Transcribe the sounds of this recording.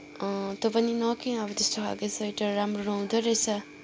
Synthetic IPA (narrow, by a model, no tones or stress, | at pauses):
ʌt̪opʌninʌkiʌbʌt̪est̪oɦa̰ɡesʰʌjʈʌːamroɾʌũd̪oɾʌjt͡sʰʌ